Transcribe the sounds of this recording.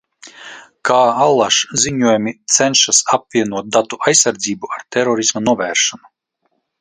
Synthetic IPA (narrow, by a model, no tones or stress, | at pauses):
kʰaːalˠːaʃziɲuɔjumit̪sɛnʃasap̚vʲiɛnuɔt̪̚d̪at̪uajsaɾd̪ziːbuaɾt̪ɛɾɔɾismanuɔvʲæːɾʃɔnu